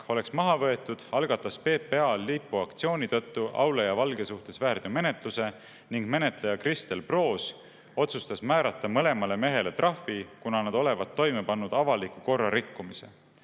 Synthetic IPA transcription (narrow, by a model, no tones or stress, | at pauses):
o̞le̞ksmɑɦɑvɤ̞e̞t̪ːˑud̪̥ɑlɡ̥ɑt̪ːˑɑspe̞ːpːe̞ɑlːipːuɑkt̪sio̞ːnʲit̪ɤt̪ːuʔɑ̰wlejɑvɑlɡe̞suht̪e̞svæːrd̪̥jume̞ne̞t̪ˑluse̞ | niŋɡ̥me̞ne̞t̪lejɑkrist̪e̞lpro̞ːs | o̞t̪sust̪ɑsmæːɾɑt̪ːˑɑmɤle̞mɑle̞me̞ɦe̞let̪rʔɑfːikunɑnɑd̪̥o̞le̞vɑd̪ːo̞jme̞pɑnːud̪̥ɑvɑlikːuko̞rːɑɾikːumise̞̰